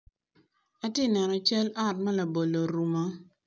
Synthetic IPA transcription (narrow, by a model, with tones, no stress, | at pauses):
a˦tɪ˦nɛ˨nɔ˨t͡ʃa˦la˦˨t̚ma˦la˨bo˨lo˨ɾu˨ma˦